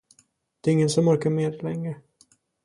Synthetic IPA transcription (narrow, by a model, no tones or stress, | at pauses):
d̪̥ɛːɾɪŋːənsɔmɔɾkaɾmeːd̪lɛŋːɾə